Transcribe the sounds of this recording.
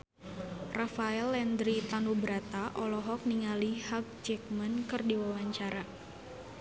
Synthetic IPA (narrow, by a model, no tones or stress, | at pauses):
rafaɛlɛnd̪ɾit̪anubɾat̪aʔɔlɔɦɔk̚niŋalihak̚t͡ʃɛk̚mənkɨrdiwawaɲt͡ʃaɾa